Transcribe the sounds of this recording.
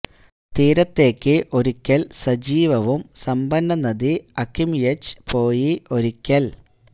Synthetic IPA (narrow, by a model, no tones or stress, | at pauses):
t̪iːɾɐt̪ːe̞ːkʲːɨʔo̞ɾikʲːɐlsɐd͡ʑiːʋɐʋumsɐmbɐnːɐnːɐðiɐkːimjet͡ɕːpo̞ːjiʔo̞ɾikʲːɐl